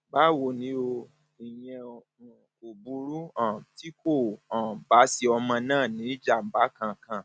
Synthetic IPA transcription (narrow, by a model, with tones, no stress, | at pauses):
ba˦wo˨nĩ˨˦o˧ | i˨j̃ɛ̃˧˨ | o˨bu˨˦ɾu˦ã˦˨ti˦kõ˦˨ba˨˦si˧ɔ˧mã˧nãː˦˨nĩ˨˦d͡ʒa˦˨m̩˨ba˨˦kã˧˨kã˨